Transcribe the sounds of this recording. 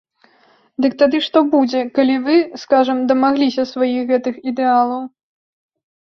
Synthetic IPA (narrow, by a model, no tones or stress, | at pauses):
d̪ɨk̚t̪ad̪ɨʂt̪ɔbud͡zʲɛkalʲivɨskaʐɐmd̪ɐmaɣlʲisʲɐsvajixɣɛt̪ɨxid̪ɛalˠɐw